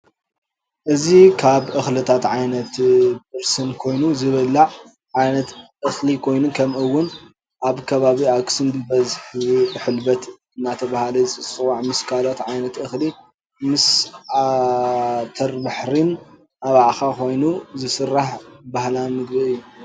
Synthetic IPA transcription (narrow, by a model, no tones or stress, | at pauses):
ʔɨzikʰaβʔɨxlɨt̪ʰat̪ʕajnɐt̪bɨɾsɨnkʰo̞jnuzɨβɐla | ʕajnɐt̪ʔɨxlikʰo̞jnunkʰɐmɨwːʊn | ʔaβkʰɐβaβiaβkʰɨ̥sɨnbɨbɐzħħɨlbɐt̪ | ɨnːat̪ʰɐβahalɐt͡sʼɨt͡sʼɨwaʕmɨskʰalot̪ʕajnɐt̪ɨxli | mɨs | t̪ʰɐɾbaħɾin | aβaʕxakʰo̞jnuzɨsɨrːaħbahlamɨɡbɨɨjːu